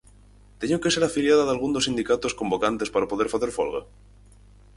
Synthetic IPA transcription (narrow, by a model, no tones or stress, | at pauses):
t̪eɲoke̞se̞ɾafiljaðaðalɣ̞und̪osind̪ikat̪o̞sko̞mbo̞kant̪e̞spaɾapo̞ðeɾfaθeɾfo̰lɣa̰